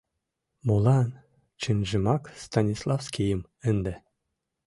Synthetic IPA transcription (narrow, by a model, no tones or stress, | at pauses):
molˠɑ | t͡ɕɘnʒɘ̆mɑkst̪ɑnʲislˠɑfskʲijɘ̆m | ɘ̆nd̪ɘ̆